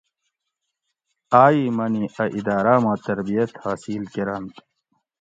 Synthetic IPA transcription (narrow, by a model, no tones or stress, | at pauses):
aːimɐniʔɐʔid̪aːɾaːmãːt̪ɐɾbijɐt̪haːsilkeɾɐnt̪